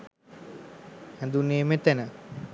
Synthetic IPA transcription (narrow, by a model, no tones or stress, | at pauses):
hɛd̪uneːmet̪ɛnə